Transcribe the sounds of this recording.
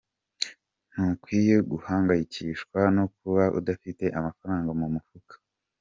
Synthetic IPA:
n̥ukwiːjeɡuhaːŋɡajiciʃkwano̞kuβaʔṵdafite̞ʔamafaɾaːŋɡamumufukḁ

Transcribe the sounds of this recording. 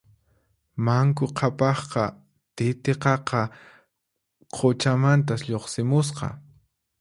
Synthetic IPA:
maŋkʊqʰɑpɑχqɑ | t̪ɪt̪eqɑqɑ | qʰot͡ʃamant̪asʎoχsɪmʊs̬qɑ̰

